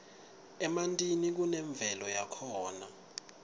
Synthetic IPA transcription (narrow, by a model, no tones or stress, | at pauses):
ɛmantʼinik̬unɛɱb̪vʱɛlɔjakʰɔːna̰